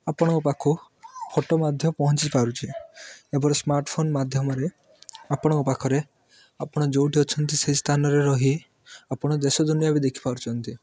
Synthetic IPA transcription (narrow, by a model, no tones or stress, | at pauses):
apɔɽ̃ɔkupakʰu | pʰoʈɔmad̪ʱjɔmɔpɔɦɔnt͡ʃipaɾut͡ʃʰiebɔɾesmaɾʈpʰonmad̪ʱjɔmɔɾe | apɔɽ̃ɔkupakʰɔɾe | apɔɽ̃ɔd͡ʒowʈiɔt͡ʃʰɔnt̪iseɦist̪ʰanɔɾeɾɔɦi | apɔɽ̃ɔd̪esɔd̪unijabid̪ekʰi̥paɾut͡ʃʰɔnt̪i